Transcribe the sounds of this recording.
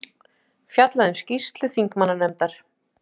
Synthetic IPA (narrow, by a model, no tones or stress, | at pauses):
fjat̪laðʏmscist̪lʏθiŋkmanːanɛmt̪aɾ̥